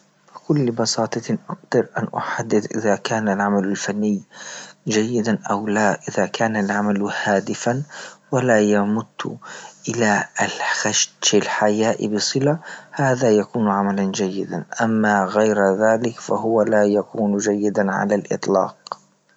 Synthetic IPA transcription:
bɪkʊlːbɑsɑːt̪ˤɑʔaqd̪ɑɾʔanʔʊ̰ħad̪ːɪd̪ʔɪðakaːnalʕamalalfanːɪjd͡ʒajːɪd̪anʔawlaʔɪðakaːnalʕamalhaːd̪ɪfanwalaːjamʊt̪ːʔɪlaxaʃɪlħajaːʔɪ̰bɨsˤɨlahaːðajakuːnʕamaland͡ʒajːɪd̪a̰nʔamːaɣajɾðaːlɪkfaɦʊwalaːjakuːnd͡ʒajːɪd̪aʕa̰lalʔɨ̰t̪ˤlɑ̰ːq

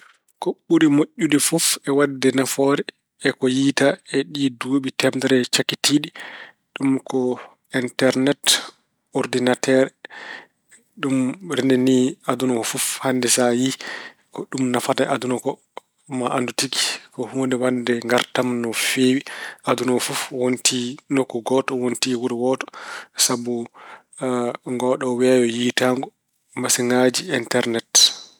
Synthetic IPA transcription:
kɔɓːuɾimoʔːudifɔfɛwadːɛnafɔːɾɛ | ɛkɔjiːtaɛɗiduɓitɛmdɛɾɛt͡ʃakːitiɗi | ɗumkɔ | intɛɾnɛt | ɔɾdinatʰɛːɾɛ | ɗumɾinɛniadunɔkɔfɔfhandɛsaji | kɔɗumnafataʔadunɔkɔ | maʔandutiki̥kɔhundɛwandɛŋɡaɾtamnɔfeːwiadunɔfufwontinokːuɡɔtɔwontiwuɾiwɔtɔ̥sabu | ŋɡɔɗɔwajɔjitaŋɡɔ | masiŋad͡ʒiintɛɾnɛt

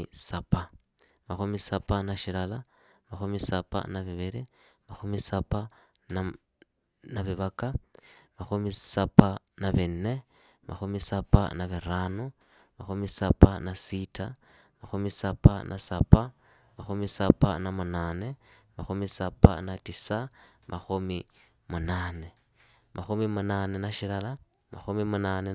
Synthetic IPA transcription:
sapa | maxumisapanaʃilala | maxumisapa̰naβiβiɾi | maxumisapa | na | naβiβaka | maxumisapa | naβinːe̞ | ma̰xumisapa̰naβiɾaːnu | maxumisapanasitʰa | maxumisapa̰nʔa̰sapa | maxumisapa̰namunaːne̞ | maxumisapa̰natisa | mʔaxumi | munaːne | mʔaxumimunane̞naʃilala | ma̰xumimunane

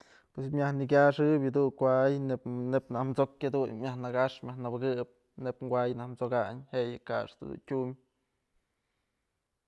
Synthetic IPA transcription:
pwesmʲjahnikʲaʂɨbʲjɨd̪unkʷaʔjnenepnahmt͡sokhed̪unmʲjahnaɡaʂmʲahnɨbɨɡɨp̚ | nepŋɡʷajnahmt͡soɡaɲhejɨka̰ʂd̪ṵd̪ṵntʲumʲ

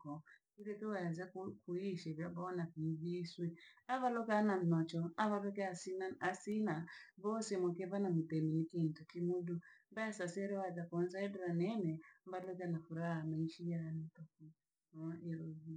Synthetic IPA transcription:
kɔ | iɾɛtiwajazakukuiʃɛβjabɔnakiviswɛaβalɔkanam̩nɔt͡ʃɔaβaβɛkɛasinaasinaβɔsemɔkɛβanamutɛminikintɔkimudumbajasasɛɾɛwad͡ʒakɔnsaɛdɔɾanɛnɛmbalɔkanafuɾahamaiʃijanitɔku | ɛɾɔi

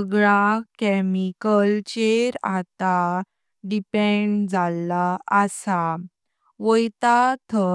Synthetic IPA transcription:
ɡɭakɛmikəlt͡ɕeɾat̪a | ɖipɛ̃ɳd͡zʱalːaəsa | ʋəjt̪at̪ʰə

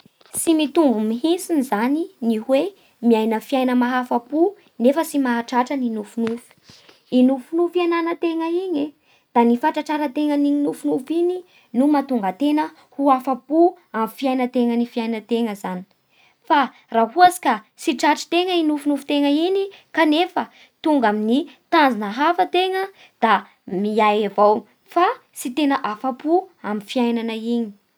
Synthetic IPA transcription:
simit̪umbumiɦinsinizaniniɦwe | miajnəfiajnəmaɦafapu | nefəsimaɦaʈ͡ʂaʈ͡ʂəninufunufu̥ | inufunufiananət̪eŋəiɲe | d̪̥anifaʈ͡ʂaʈ͡ʂaɾət̪eŋəninufunufini | numat̪uŋɡat̪enə | huafapu | amifiajnət̪eŋənifiajnət̪eŋəzani̥ | fa | raɦuasi̥ka | siʈ͡ʂaʈ͡ʂi̥t̪eŋəinufunufu̥t̪eŋəinikanefə | t̪uŋɡaminit̪anzinəɦafət̪eŋə | d̪̥a | miajavaw | fa | sit̪enəʔafapuamifiajnanəiɲi̥

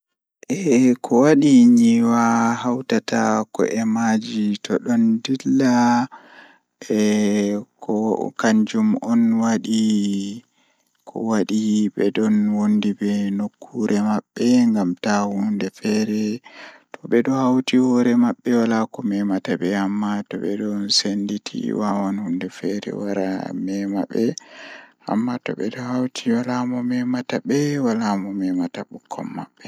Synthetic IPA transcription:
ʔɛkʰɔwaɗiɲiwahawtatakɔ̰ʔɛmad͡ʒitɔɗɔndilːa | ɛkʰɔkaɲd͡ʒumɔnwaɗi | kʰɔ̰waɗibɛdɔnwondibɛnokʰːuɾʔɛmaɓːɛŋɡamtahundɛfɛɾɛtɔɓɛdɔhawtihɔɾɛmaɓːɛwalakɔmɛmatabɛamːatɔbɛ̰dɔnsenditʰḭwawanhundɛfɛɾɛ̰waɾa̰mɛmaɓːɛ | a̰mːatɔ̰ɓɛdɔhawtʰiwalamɔmɛmatabɛwalamɔmɛmataɓukʰːɔ̰mːaɓːɛ

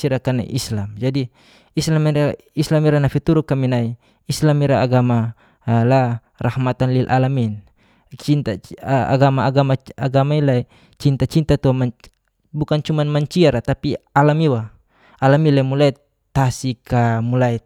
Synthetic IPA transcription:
iɾakana̰ʔislamd͡ʒadi | islamiɾa | islamiɾanafit̪uɾukaminai | islamiɾaaɡama | la | rahmat̪anlilʔalamin | t͡ʃint̪aa̰ɡamaaɡamaaɡamailai | t͡ʃint̪at͡ʃint̪at̪uma | bukant͡ʃumanmaɲt͡ʃiaɾat̪apialamiwa | alamilaimulai | t̪asikamulai

